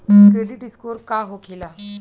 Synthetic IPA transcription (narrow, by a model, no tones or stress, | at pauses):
kɾeɖɪʈɪskoːɾkaɦokʰɪlaː